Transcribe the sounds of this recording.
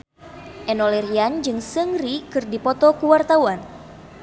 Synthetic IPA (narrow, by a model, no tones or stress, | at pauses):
ʔɛnɔlɛriand͡ʒɨŋsəŋɾikɨrdipɔt̪ɔkuwart̪awan